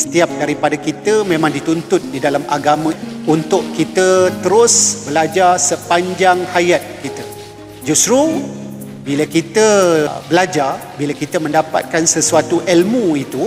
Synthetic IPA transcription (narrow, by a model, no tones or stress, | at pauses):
sə̥t̪iap̚daɾipadakit̪əmẽmãŋdit̪unt̪ʊt̪̚didalamaɡamə̃unt̪ʊʔkit̪ət̪əɾʊsbəlad͡ʒarsəpaɲd͡ʒaŋhajat̪̚kit̪ə | d͡ʒusɾu | bilakit̪əbəlad͡ʒarbilakit̪əmə̃ndapa̰t̪̚kansəsuat̪uʔɛlmũit̪u